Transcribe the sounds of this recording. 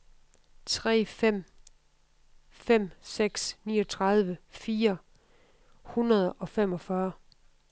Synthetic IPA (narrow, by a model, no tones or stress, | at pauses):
t͡sʰʁɛ̰ːfem̰ | fem̰seɡ̥snḭːɒ̽t͡sʰʁɑ̈ð̞ˠʋəfiːɐ | hunʁɐð̞ˠɒ̽fem̰ɒ̽fɶːɐ